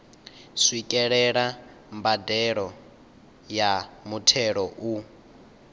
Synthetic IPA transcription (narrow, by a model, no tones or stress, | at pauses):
swikʼɛɺɛɺa | mbadɛɺɔ | jamutʰɛɺɔʔu